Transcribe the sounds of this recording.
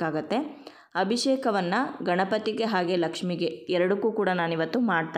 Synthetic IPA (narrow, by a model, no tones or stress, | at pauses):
aːɡɐt̪ːe̞ | ɐbʱiʂeːkɐʋɐnːɐɡɐɳɐpɐt̪iɡe̞ɦaːɡe̞lɐkʂmiɡe̞ɛɾɐɽukuːkuːɽɐnaːniʋɐt̪ːumaːɽ̚t̪aː